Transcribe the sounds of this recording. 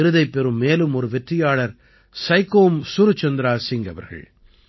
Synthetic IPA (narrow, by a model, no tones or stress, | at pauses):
ɪɾɯðɐɪpːɛɾɯmːeːlɯmɔɾɯʋɛʈrɪjaːɭɐɾ | sɐɪkːoːmsuɾɯt͡ʃːɐnd̪ɾaːsɪŋɡɐʋɐ̰ɾɣɐ̰ɭ